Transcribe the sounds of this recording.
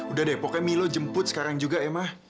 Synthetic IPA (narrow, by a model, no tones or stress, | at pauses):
udahdapokɛmilod͡ʒəmpʊt̪̚sə̥kaɾaŋd͡ʒuɡaɛmah